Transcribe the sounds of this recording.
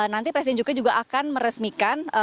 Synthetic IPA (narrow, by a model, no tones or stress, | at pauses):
nant̪ipɾɛsidɛnd͡ʒuɡad͡ʒuɡaʔakanməɾəsmikanə